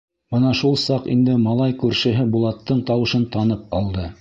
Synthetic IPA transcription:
b̥ɤnɑʃulˠsɑqḭnd̪ɘmɑlˠɑjkʉɾʃɘ̆ɦɘbulˠɑt̪ːɤɴt̪ɑwɤ̆ʃɤnt̪ɑnɤp̚ɑlˠd̪ɤ

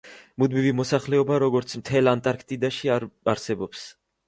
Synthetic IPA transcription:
mud̪mivimɔsaχlɛɔbaɾɔɡɔɾt̪sʰmt̪ʰɛlant̪ʼaɾkʰt̪ʼid̪aʃiaaɾsɛbɔps

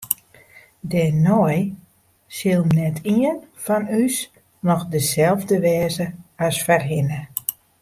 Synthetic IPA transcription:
dɛnɔj | sɪlˠmnɛtʰiənfɔnys | nɔxdəzɛlˠvdəʋɛːzəɔsfərɦɪnə

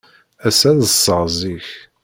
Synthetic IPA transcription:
æsæðəsˤːəʁziç

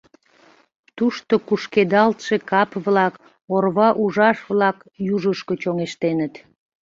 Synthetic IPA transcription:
t̪uʃt̪okuʃked̪ɑlt̪ʃekɑpβlɑk | orβɑʔuʒɑʃβlɑk | juʒəʃkot͡ɕoŋeʃt̪enət̪

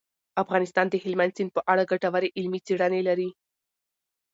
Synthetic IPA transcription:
afɣɑnɪst̪ɑnd̪əhɪlmand̪sinpəʔaɽaɡaʈawaɾeʔɪlmit͡seɽanelaɾi

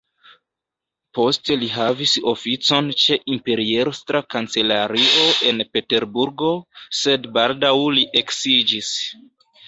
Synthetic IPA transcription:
po̞ste̞liɦaviso̞fit͡so̞nt͡ʃe̞ʔimpe̞ɾie̞ɾstɾakant͡se̞laɾio̞ʔe̞npe̞te̞ɾbuɾɡo̞se̞dbaldawliʔe̞ksid͡ʒis

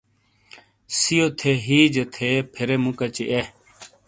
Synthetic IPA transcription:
sijoːt̪ʰeːɦiːd͡ʒet̪ʰeːpʰeɾeːmũkɐt͡ɕiʔe

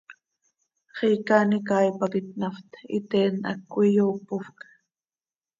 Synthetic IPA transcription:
χijkanikaːjpakɪt̪̚naft̪it̪ena̰kːʷijoːpʊfkḁ

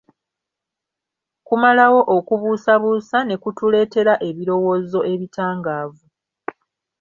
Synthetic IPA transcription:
kumalawo̞ʔokuβuːsaβuːsane̞kutule̞ːte̞ɾaʔe̞βiɾo̞wo̞ːzo̞ʔe̞βitaːŋɡaːvu

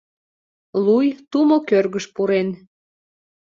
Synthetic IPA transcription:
lujt̪umokørɣəʃpuɾen

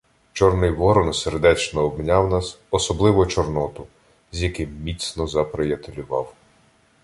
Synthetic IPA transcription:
t͡ʃɔrnɪjʋɔɾɔnserd̪ɛt͡ʃnɔːbmnʲawnɑsɔsɔblˠɪʋɔt͡ʃɔrnɔt̪ʊ | zjɐkɪmːʲit̪sʲnɔzɐpɾejɐt̪elʲʊʋɑw

